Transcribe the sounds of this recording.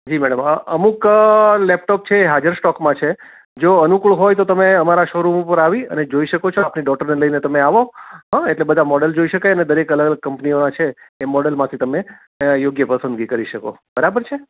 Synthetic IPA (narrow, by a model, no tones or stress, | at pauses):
d͡ʒimɛɽəməʔəmuklɛp̚ʈɔp̚t͡ʃʰeːɦad͡ʒəɾsʈɔkmãt͡ʃʰe | d͡ʒoənukuɭɦojt̪ot̪əmeəmaɾaʃoɾupəɾaʋiə̰ned͡ʒoiʃəkot͡ʃʰoapniɖɔʈəɾneləjnet̪əmeaʋoɦãeʈlebəd̪ʱamɔɽəld͡ʒoiʃəkajəned̪əɾekələɡələɡ̚kəmpnionat͡ʃʰeːmɔɽəlmãt̪ʰit̪əme | joɡjəpəsə̃nd̪ɡikəɾiʃəko̰bəɾabəɾt͡ʃʰe